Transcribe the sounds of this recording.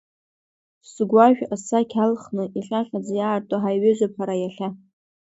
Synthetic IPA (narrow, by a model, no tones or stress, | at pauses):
sɨɡʷaʒᶣasakʲʰalχnɨʔiɬʲʼaχʲʼad͡zjaːrtʼoɦajɥɪʒʷapʰaɾajaɬʲa